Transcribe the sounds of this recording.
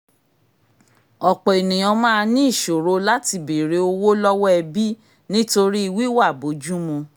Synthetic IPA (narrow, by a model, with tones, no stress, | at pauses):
ɔ˨k͡pɔ˨e˨nĩ˨j̃ɔ̃˧mãː˦˧nĩ˦˨ʃo˨ɾo˦la˦ti˧be˨ɾe˨˦o˧wo˦lɔ˦wɔ˦ɛ˧bi˦ | nĩ˦to˧ɾi˦i˧wi˦wa˦˨bo˨˦d͡ʒu˦mũ˧